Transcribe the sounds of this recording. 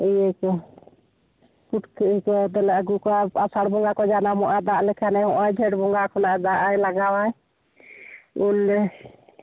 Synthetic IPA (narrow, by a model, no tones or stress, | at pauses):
ijəkɔ | kuʈkəkɔd̪ɔlaʔɡukaasaɽbɔŋɡakɔd͡ʒanamɔʔad̪aʔlɛkʰanɛhɔʔãd͡ʒʱɛʈbɔŋɡakʰɔnaʔɛd̪aʔajlaɡawaj | ulɛ